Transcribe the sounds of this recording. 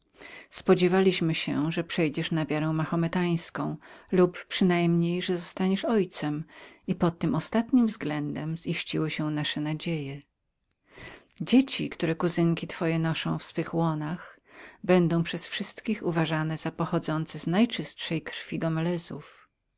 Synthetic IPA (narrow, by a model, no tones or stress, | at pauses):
spɔd͡ʑevalʲiɕmɘɕɛ̰ʐɛpʂɛjd͡ʑɛʂnavʲjaɾɛw̃maxɔmɛt̪aj̃skɔ̃w̃luppʂɘnajmɲejʐɛzɔst̪aɲɛʂɔjt̪sɛmipɔt̪ːɘmɔst̪at̪ɲimvzɡlɛnd̪ɛmz̥iɕt͡ɕiwɘɕɛnaʂɛnad͡ʑejɛ | d͡ʑet͡ɕikt̪uɾɛkuzɘŋkʲit̪fɔjɛnɔʂɔ̃w̃fsfɘxwɔnax | bɛnd̪ɔ̃w̃pʂɛsfʂɘst̪kʲixuvaʐanɛz̥apɔxɔd̪zɔnt̪sɛznajt͡ʂɘstʂɛjkɾfʲiɡɔmɛlɛzṵf